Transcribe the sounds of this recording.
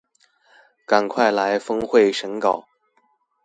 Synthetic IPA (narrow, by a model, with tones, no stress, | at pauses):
ka˨˩nkʰwa˥˩ɪla˧˥ɪfɤ˥ŋxwe˥˩ɪʂə˧˥ŋkɑ˨˩˦ʊ